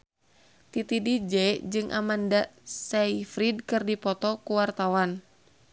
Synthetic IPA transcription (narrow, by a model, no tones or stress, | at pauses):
t̪it̪idid͡ʒɛd͡ʒɨŋʔa̰mandasɛifɾid̚kɨrdipɔt̪ɔkuwart̪awan